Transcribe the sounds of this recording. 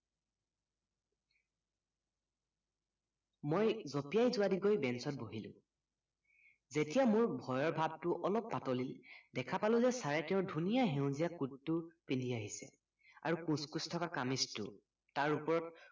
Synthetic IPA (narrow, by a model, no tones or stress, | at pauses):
mojzopijajzʊwadiɡojbɛnsɔt̚boɦilʊ̰̃ | zetijamʊɹbʱɔjɔɹbʱab̚tʊʔɔlɔpːatɔlildɛkʰapalʊ̃zɛsaɹɛtɛ̃ʊ̃dʱunijaɦeʊ̃zijakuttːʊpindiaɦisɛ̰ | a̰ɹukũskustʰɔkakamistʊ̰ | taɹupɔɹɔt